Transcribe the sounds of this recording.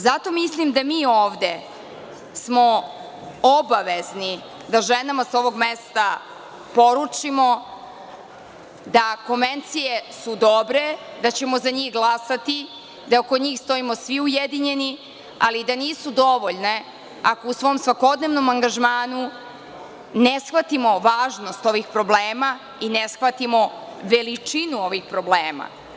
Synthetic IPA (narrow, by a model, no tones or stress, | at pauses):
zat̪o̞mislimd̪amiːoːʋd̪e̞ | smo̞ | obaʋezni | d̪aʒenamasao̞ʋo̞ɡmest̪a | po̞ɾut͡ʂimo̞ | d̪ako̞nʋent̪sije̞sud̪obɾe̞ | d̪at͡ɕe̞mo̞zaɲiːxɡlˠasat̪i | d̪aokoɲiːxst̪o̞imo̞sʋiujed̪iɲe̞ni | alid̪aniːsud̪oʋoʎne̞ | akousʋo̞ːmsʋako̞d̪neʋnomaŋɡaʒmaːnu | nesxʋat̪imo̞ʋaːʒno̞st̪o̞ʋixpɾo̞bleːma | inesxʋat̪imo | ʋelit͡ʂinuo̞ʋixpɾobleːma̰